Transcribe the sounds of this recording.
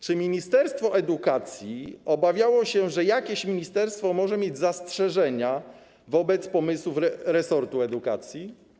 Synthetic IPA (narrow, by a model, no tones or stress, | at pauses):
t͡ʂɘmʲiɲist̪ɛɾst̪fɔʔɛd̪ukat̪sʲjiɔbavʲjawɔɕɛʐɛjakʲeɕmʲiɲist̪ɛɾst̪fɔmɔʐɛmʲjed͡ʑzastʂɛʐɛɲa | vɔbɛt̪spɔmɘswufɛɾɛsɔɾt̪uɛd̪uka̰t̪sʲji